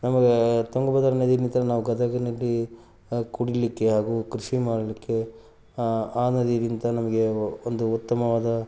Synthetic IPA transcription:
nɐmɐɡet̪oŋɡɐbɐd̪ɐɾɐned̪iint̪ɐɾɐnaːʋuɡɐd̪ɐɡɐnɐlːi | kuɽilikːe̞ɦaːɡukɾiʃimaːɽɐlikːe̞ | aːnɐd̪ijɐɾint̪ɐnɐmɐɡe̞ond̪uut̪ːɐmɐʋaːd̪ɐ

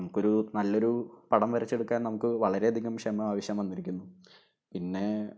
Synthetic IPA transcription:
nɐmukːo̞ɾunɐlːo̞ɾupɐɽɐmʋɐɾɐt͡ɕːeɽukːaːnnɐmukːɨʋɐɭɐɾe̞ɐd̪ʱiɣɐmkʂemɐaːʋɐɕjɐmʋɐnːiɾikʲːunːu | pinːe̞

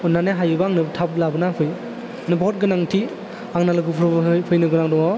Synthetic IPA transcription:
ɔnːaneɦajɯbaaŋnɯbtʰap̚labɯnapʰɯj | nɯbɔt̚ɡɯnaŋtʰi | aŋnalɯɡɯpʰɾbpʰɯjnɯɡɯnaŋdɔŋɔ

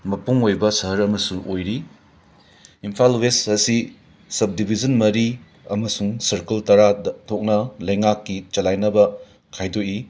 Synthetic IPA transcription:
mɐpuŋojbɐsɐɦɐɾɐmɐsuŋʔojɾi | impʰalwesɐsi | sɐb̚dibʱizɐnmɐɾi | ɐmɐsuŋsɐɾkɐltɐɾatʰok̚nɐlɐjŋakːit͡ʃɐlajnɐbɐ | kʰajdoi

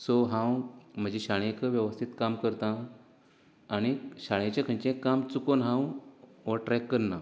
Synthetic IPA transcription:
soɦãwm̤əd͡ʑeɕaɭjekəʋjəʋəst̪ʰit̪kamkəɾt̪ã | ɽ̃iɕaɭjet͡ɕẽkʰə̃ɳt͡ɕẽkːamt͡sukonɦãwʋəʈɾɛkːəɾna

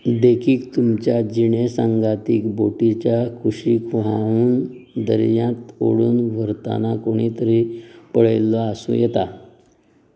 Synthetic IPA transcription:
d̪ekʰiːkt̪umt͡ɕjad͡ʑiɳesaŋɡat̪iːkboʈit͡ɕjakʰuɕiːkʋauːnd̪ə̰ɾjãt̪o̰ɽuːnʋʱəɾt̪a̰nakoɽ̃it̪əɾipəɭelːɔəsṵ̃jɛt̪a

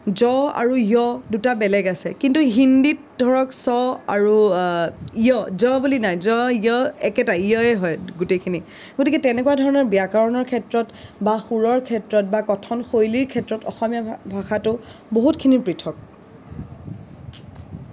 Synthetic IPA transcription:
zɔa̰ɹuijɔdutabɛlɛɡasɛkintuɦindit̚dʱɔɹɔksɔaɹu | ijɔzɔbulinajzɔiɔɛkɛtaijɔɛɦɔjɡutejkʰini | ɡotikɛtɛnɛkuadʱɔɹɔnɔɹbijakaɹɔnɔɹkʰɛtɹɔtbaxuɹɔɹkʰɛtɹɔt̚bakɔtʰɔnxojliɹkʰɛtɹɔtɔxɔmijabʱaxatʊboɦutkʰinipɹitʰɔk̚

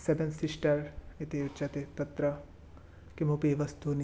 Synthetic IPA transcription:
sebensɪsʈɐɾit̪eut͡ʃɐt̪et̪ɐt̪ɾɐ | kimupiʋɐst̪uni

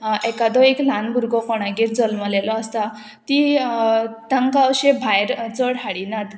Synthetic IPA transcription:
ekad̪ɔeklanbʱuɾɡɔfɔɽ̃aɡiɾd͡zəlməlelɔːst̪a | t̪i | t̪aŋkaɕebʱajɾt͡sɔɽɦaɽinad̪

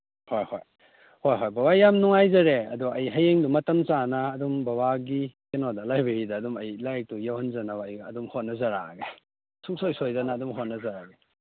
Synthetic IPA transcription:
hojho̰j | hojɦojbɐbajamnuŋajzɐɾeɐ̰duɐjɦɐjeŋdumɐtɐmt͡ʃanɐːdumbɐbaɡikenodɐlajbeɾidɐːdumɐjlajk̚tujawhɐnzɐnɐbaɐjɡɐɐdumhot̚nɐzɐɾa̰ɡe | suk̚sojsojdanɐːdumɦot̚nɐzaɾaɡe

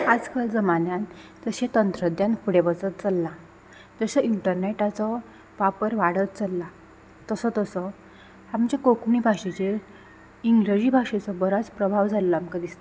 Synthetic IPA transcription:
ad͡zkald͡zəmanjan | d͡zəɕet̪ənt̪ɾəd̪janpʰuɽebət͡sət̪̚t͡səlːa | d͡zəɕəiɳʈəɾneʈat͡sɔ | ʋapəɾʋaɽət̪̚t͡səlːa | t̪əsɔt̪əsɔ | amt͡ɕakokɳibʱaɕet͡ɕe | iŋɡled͡ʑiːbʱaʂet͡sɔbəɾat͡spɾəbʱaʋd͡zʱalːəamkad̪ist̪a

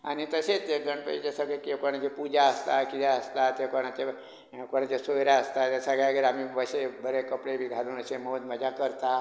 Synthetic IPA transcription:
a̰nit̪əset̪eɡəɳpə̰id͡ʒesaɡekekoñãt͡ʃepud͡ʒaəst̪akid̪aəst̪at̪ekoɽ̃at͡ʃe | koñãt͡ʃesojɾaəst̪at̪esaɡaɡeɾamiʋəsebəɾekəpɽebʱiɡʱad̪unəsemout̪məd͡ʒakəɾt̪a

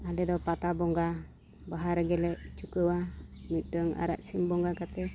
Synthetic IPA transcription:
alɛd̪ɔpat̪abɔŋɡa | baɦaɾaɡɛlɛʔt͡ʃukəwamitəŋa̰ɾa̰ʔsimbɔŋɡakat̪ɛ

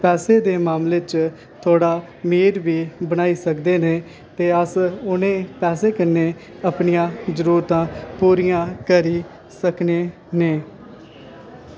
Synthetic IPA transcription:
pɛːseːd̪eːmaːmleːt͡ʃ | t̪ʰoːɽaː | miːɾbiːbəñaːiːsəkd̪eːneː | t̪eːəsʊnẽːpɛːseːkənːeː | əpɳɪijãːzəɾuːɾt̪ãːpuːɾijãːkəɾiː | səkneː | neː

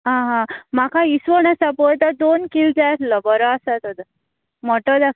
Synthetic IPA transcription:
ɦãɦãmakʰaisʋəɽ̃asapojt̪əɾd̪onkild͡zajt̪ʰləbəɾəasat̪od̪ə | mɔʈəd̪ak

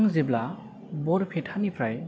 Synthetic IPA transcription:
ŋzibla | bɔɾpʰetʰanipʰɾaj

